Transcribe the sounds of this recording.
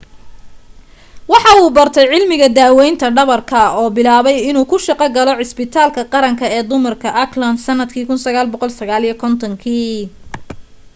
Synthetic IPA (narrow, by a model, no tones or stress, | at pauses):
wɑħɑuːbɐrt̪ʰɛjʕɪlmɪɣɐd̪aːwɛjnt̪ʰɐɖɐβɐrkʰɐɔːbɪlaːβɛjɪnuːkʰʊʃɑqɑɡɐlɔʕɪsbɪt̪ʰaːlkʰɐqɑɾɐŋkʰɐɛːd̪ʊmɐrkʰɐʔɐklɐnsɐnːɐd̪kʰiːkʰʊnsɐɣaːlbɔqɔlsɐɣaːlijɐkʰɔnt̪ʰɔŋkʰiː